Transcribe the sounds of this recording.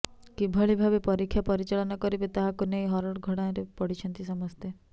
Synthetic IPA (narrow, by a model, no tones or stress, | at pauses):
kibʱɔɭibʱabepɔɾikʰːjapɔɾit͡ʃaɭɔnɔkɔɾibet̪aɦakunejɦɔɾɔɽɡʱɔɽaj̃ɾepɔɽit͡ʃʰɔnt̪isɔmɔst̪e